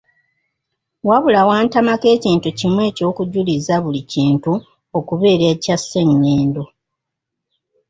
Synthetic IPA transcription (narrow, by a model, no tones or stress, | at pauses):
waβulawaːntamake̞ːciːntucimwe̞ːco̞ːkuɟulizaβuliciːntu | o̞kuβe̞ːɾecasːe̞ŋːeːndo